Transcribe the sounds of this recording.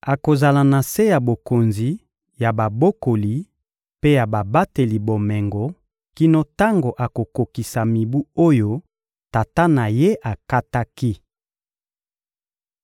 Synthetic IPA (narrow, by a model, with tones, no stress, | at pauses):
a˨ko˨za˨la˨na˨se˦ja˨bo˨ko˨nzi˨ | ja˨ba˨bo˦ko˨li˨ | pe˦ja˨ba˨ba˦te˨li˨bo˨mɛ˨ŋɡo˨ | ki˦no˦ta˦ŋɡo˨ʔa˨ko˨ko˨ki˨sa˨mi˨bu˦o˦jo˦ | ta˨ta˦na˨je˦ʔa˨ka˦ta˦ki˦